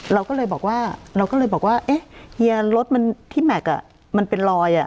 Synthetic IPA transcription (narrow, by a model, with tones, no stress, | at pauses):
ɾa˧wkɔː˥˩lɤː˧jbɔː˨˩k̚waː˥˩ɾa˧wkɔː˥˩lɤː˧jbɔː˨˩k̚waː˥˩ʔe˦˥hi˧ɐɾo˦˥t̪̚ma˧nt̪ʰiː˥˩mɛ˨˩k̚ʔa̰˨˩ | ma˧npe˧nɾɔː˧jʔa˨˩